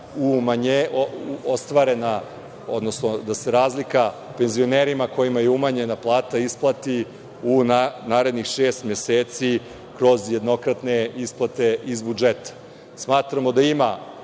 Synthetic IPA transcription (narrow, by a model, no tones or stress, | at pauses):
umaɲeoost̪ʋaɾe̞na | o̰d̪nosnod̪ase̞ɾaːzlika | pe̞nzio̞neːɾimako̞jimajeumaɲenaplˠaːt̪aisplˠat̪i | unanaːɾe̞d̪nixʃeːst̪mjeseːt̪si | kɾo̞zje̞d̪no̞kɾat̪ne̞isplˠat̪e̞izbud͡ʒet̪ḁ | smaːt̪ɾamo̞d̪aima